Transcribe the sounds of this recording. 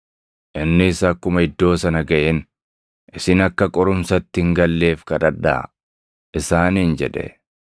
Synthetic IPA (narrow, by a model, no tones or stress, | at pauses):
ʔɪnːɪːsɐkːʊmɐɪd̪ːo̞ːsɐnɐɡɐʔen | ɪsɪnɐkːɐkʼɔɾʊmsɐt̪ːɪŋɡɐlːe̞ːfkɐᶑɐᶑːa̰ | ʔɪsaːnind͡ʒɛᶑɛ̰